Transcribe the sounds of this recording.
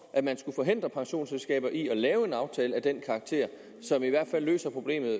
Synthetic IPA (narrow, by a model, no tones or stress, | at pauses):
ʔæmænsɡ̥ufɒ̽ɦe̝nd̥ʁɐpʰɑ̈ŋɕo̝̰ːnselsɡ̥ɛ̰ːb̥ɐʔiɒ̽lɛːʊe̝nɑ̈ʊt͡sʰɛːləæd̥enkʰɑ̈ɡ̥̚t͡sʰe̝̰ɐ̰ | sɒ̽miʋæɐ̰d̥fælːø̰ːsɐpʰʁo̝ble̝̰ːmð̩ˠ